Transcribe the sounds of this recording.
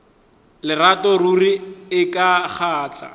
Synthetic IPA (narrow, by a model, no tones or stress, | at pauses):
lɪratɔruriɪkaχaːt͡ɬʼa̰